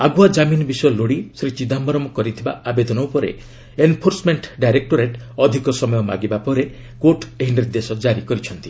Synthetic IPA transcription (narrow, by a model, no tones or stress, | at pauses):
aɡuad͡ʒaminɔbisɔjɔloɽisɾit͡ʃid̪ambɔɾɔmɔkɔɾit̪ʰibaabed̪ɔnɔupɔɾḛ | enpʰoɾsmeɳʈɖajɾek̚ʈoɾeʈɔd̪ʱikɔsɔmɔjɔmaɡibapɔɾe | koʈeɦineɾd̪esɔd͡ʒaɾikɔɾit͡ʃʰɔnt̪i